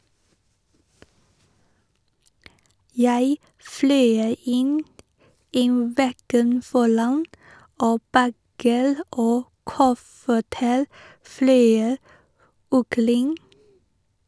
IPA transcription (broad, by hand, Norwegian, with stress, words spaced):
ˈjæɪ ˈflœʏ ˈɪn ˈiː ˈʋɛɡən ˈfɔɾɑn ˈoː ˈbæɡəɾ ˈoː ˈkʊfəʈəɾ ˈflœʏ ɔkəˈɾɪŋ